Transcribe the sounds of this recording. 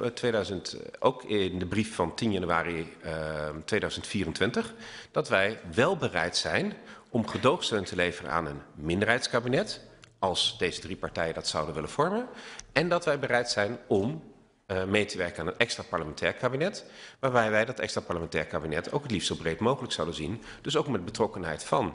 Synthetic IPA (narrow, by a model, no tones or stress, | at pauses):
tʋejdœɥzəntʔo̰wkɪndəbrifːɑntinjanyaːri | tʋejdœɥzəntfiːrəntʋɪntəχd̥ɑtʋɛjʋɛlˠbərɛ̰jtsɛjnɔmχədowχstøːntəlejvərə̰ʔa̰ːnənmɪndəɹɦɛjtskaːbinɛtɑlˠsd̥ejzədripaɹtɛjəndɑtsɑwdənʋɪlənv̥ɔɹmənɛndɑtʋɛjbərɛjtsɛjnɔm | mejtəʋɛɹkənaːnətɛkstraːpɑɹləmɛntɛːɹkaːbinɛtʋaːɹbɛjʋɛjdɑtɛ̰kstraːpɑɹləmɛntɛːɹkaːbinɛtʰo̰wkətliftsobrejtmowχələksɑwdənzind̥ɵs̬oʊwkmɛd̚bətrɔkənɦɛ̰jtfɑn